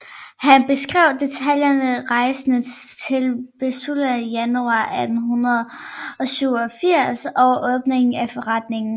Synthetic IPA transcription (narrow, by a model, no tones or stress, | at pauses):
hænb̥e̝sɡ̥ʁɛʊ̰d̥e̝t͡sʰæljɐnəʁɑ̈ɪsənət͡sʰe̝lb̥esulæjænuɑ̰̈ːʔæd̥n̩ɦunʁɐðˠ | ɒ̽syʊɒfiɐ̰sɒʊʔɔ̽ːb̥ne̝ŋn̩æfɒ̽ʁɑ̈d̥ne̝ŋn̩